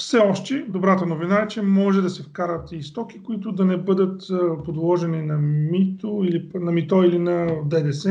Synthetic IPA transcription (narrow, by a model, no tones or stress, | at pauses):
fsɛɔʃt̪ɛd̪obɾat̪ənovinaɛt͡ʃɛmɔʒɛd̪ɐsɛfkaɾət̪ist̪ɔki̥koit̪ʊd̪ɐnɛbɤd̪ət̪pod̪lˠɔʒɛninɐmit̪oilinɐmit̪ɔilinɐd̪ɛd̪ɛsɛ